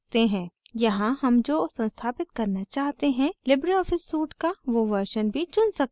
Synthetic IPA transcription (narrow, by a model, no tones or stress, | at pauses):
t̪eɦɛ̃ː | jɐɦãhɐmd͡ʒoːsɐ̃nst̪ʰaːpɪt̪̚kɐɾnat͡ʃaːɦt̪eɦɛ̃lɪbɾiɔːfɪsːuːʈkaʋoʋəɾʃənbʱit͡ʃʊnsɐk̚